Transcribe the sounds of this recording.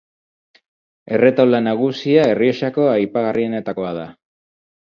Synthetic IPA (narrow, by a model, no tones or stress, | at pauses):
e̞re̞t̪awlanaɣ̞usiae̞rioʃako̞ajpaɣ̞arʔie̞ne̞t̪ako̞aða